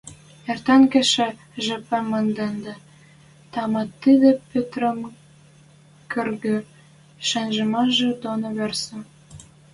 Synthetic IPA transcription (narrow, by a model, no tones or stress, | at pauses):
ert̪ɑnkĕʃĕ | ʒĕpæmə̆nd̪end̪ɑ̆ | t̪ɑmɑt̪ːid̪ĕpøt̪ɾə̆m | kørɣø | ʃænʒə̆mɑʒĕd̪onoβersə̆